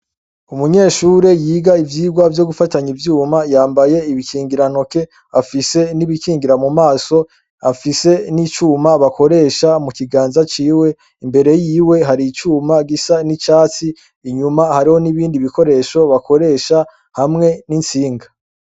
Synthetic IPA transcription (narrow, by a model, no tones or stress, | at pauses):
umuɲe̞ːʃuːɾe̞jiːɡaivjiːɡwavjo̞ɡufataɲivjuːmajaːmbaje̞iβikiːŋɡiɾan̥o̞ke̞ | afise̞niβikiːŋɡiɾamumaːso̞ | afise̞nit͡ʃuːmaβako̞ɾe̞ːʃamukiɡaːnzat͡ʃiːwe̞ | imbe̞ɾe̞jiːwe̞ɦaɾit͡ʃuːmaɡisanit͡ʃaːt͡siː | ɲumahaɾiho̞niβiːndiβiko̞ɾe̞ʃo̞βako̞ɾe̞ʃa | hamŋe̞nint͡siːŋɡa